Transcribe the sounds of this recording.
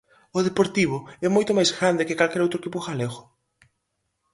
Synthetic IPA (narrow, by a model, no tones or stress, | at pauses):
ʊðepoɾt̪iβ̞ʊɛmojt̪ʊmajzɣɾand̪ɪkɪkalkɛɾowt̪ɾoekipʊxaleɣʊ